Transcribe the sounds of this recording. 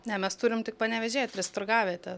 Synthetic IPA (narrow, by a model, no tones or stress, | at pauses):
nʲɛmʲɛst̪uːɾʲɪmt̪ʲɪk̚pɐnʲɛʋʲɛʒʲeːt̪̚ʲɾʲɛst̪ʊrɡɑːʋʲeːt̪ʲɛ